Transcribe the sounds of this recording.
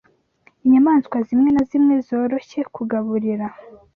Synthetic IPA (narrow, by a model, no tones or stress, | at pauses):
iɲamaːnskwazimŋe̞nazimŋe̞zo̞ːɾo̞çe̞kʰuɡaβuɾiɾa